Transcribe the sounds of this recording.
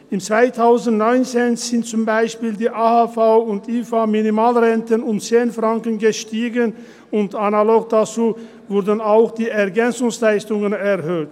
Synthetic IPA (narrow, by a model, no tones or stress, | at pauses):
ɪmt͡sv̥aɪtʰaʊzn̩tnɔʏnt͡seːnz̥ɪnt̚t͡sʊmbaɪʃpiːldiːʔaːhafaʊʊntiːfaminimaːlʁɛntənʊmt͡seːnfʁ̥aŋkənɡəʃtiːɡən | ʊntanaloːk̚d̥at͡suː | vʊʁdən̩aʊxd̥iːɛɐɡɛnt͡sʊŋslaɪstʊŋənɛʁhøːt